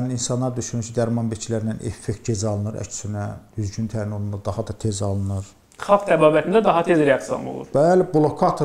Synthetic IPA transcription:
nininsɑnːˠɑɾd̪yʃynyɾcʰid̪æɾmɑnbicʰilæɾinænʔefːek̚t̪̚ɟezɑlˠɯnɯɾæ̰t͡ʃʰy̥synæd̪yzɟynt̪ʰæɾinonund̪ɑd̪ɑhɑd̪ɑt̪ʰezɑlˠɯnɯɾ | χɑlˠkt̪ʰæbɑːbæt̪ʰind̪æd̪ɑɦɑt̪ʰezɾeɑk̚sijo̰no̰lˠṵɾb̥ælæbulˠokʰɑt̪ʰ

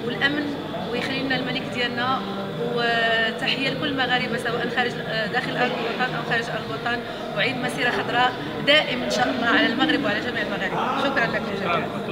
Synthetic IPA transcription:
wəlʔæmn | wjxælːilnælmælikd̪jænːæ | wt̪aħəjːælkʊlːmaɣæɾəbasæwæʔnxæɾəʒ | d̪æxəlʔɑɾlbɑt̪ˤɑnʔæwxæɾəʒʔɑɾbɑt̪ˤɑn | wʕiːd̪mæsiɾɑxɑd̪ɾˤɑʔ | d̪æʔəmænʃɑqːəmhaʕalælmæɣɾəbwʕalæʒæmiʕəlmaɣæɾəbʃʊkɾˤɑnlækləʒæ

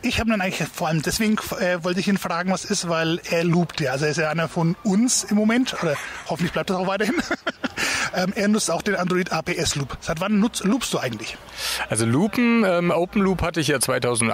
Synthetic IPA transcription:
ʔɪçhaːbədanʔaɪŋlɪçfoːɐaləmdɛsv̥eːɡŋ̩ʔɛːvɔltəɪçiːnfʁ̥aːɡŋ̩vasɪstvaɪlʔeːɐluːptjaːʔalzoeɐɪstjaʔaɪnɐfɔnʊnsɪmːomɛntʔoːdɐhɔfən̩tlɪç̥blaɪp̚tasaʊxvaɪɐhɪn | ʔɛːmʔeːɐnʊt͡staʊxd̥eːnandʁoiːtaːpʰeːʔɛsluːpz̥aɪtv̥anːʊt͡sluːpstd̥uːʔaɪɡŋ̩tlɪç | ʔalzoluːpm̩ɛːmʔoʊpm̩luːphatəɪçjaːt͡sv̥aɪtʰaʊzn̩

